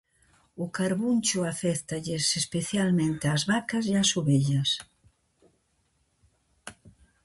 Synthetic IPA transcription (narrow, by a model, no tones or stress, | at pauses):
ʊkaɾβunʲt͡ʃʊafɛθt̪ɐʎesespeθjalmẽnt̪eazβakɐzeasuβeʎɐs